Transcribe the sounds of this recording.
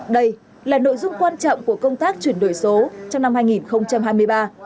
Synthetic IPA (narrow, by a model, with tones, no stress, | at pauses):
ɗə˧j | laː˨˩no̰˧˨jzʊ˧ŋ͡mkwaː˧nt͡ɕɔ̰˧˨wŋ͡mku˧˩əkə˧wŋ͡mt̪aː˦˥k̚t͡ɕwi˧˩nɗo̰˧˨˩jso˨˦t͡ɕɔ˧wŋ͡mna˧mhaː˧jŋi˨˩nxə˧wŋ͡mt͡ɕa˧mhɦaː˧jmɨ˧əjɓaː˧